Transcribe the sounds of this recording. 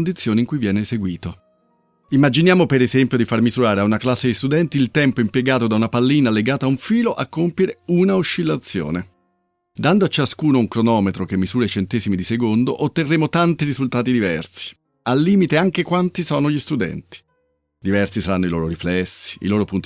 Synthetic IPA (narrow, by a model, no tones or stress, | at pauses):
nd̪it̪sːjoːneiŋkujvjɛːneseɡwiːt̪o | imːad͡ʒinjaːmopeɾezɛmpjod̪ifarmizuɾaːɾeaunaklasːed̪ist̪ud̪ɛnt̪iːlt̪ɛmpoimpjeɡaːt̪od̪aunapalːiːnaleɡaːt̪aːuɱfiːloʔakːompjeɾeunauʃːilːat̪sːjo̰ːne | d̪and̪oat͡ʃːaskuːnouŋkɾonɔːmet̪ɾokemːizuːɾet͡ʃent̪ɛːzimid̪isekond̪oʔot̪ːerːeːmot̪ant̪iɾizult̪aːt̪id̪ivɛrsi̥ | alːiːmit̪eaŋk̟ekwant̪isoːnoʎist̪ud̪ɛ̰nt̪i̥ | d̪ivɛrsisaɾanːoilo̰ːɾoɾiflɛsːi̥ḭloːɾopunt̪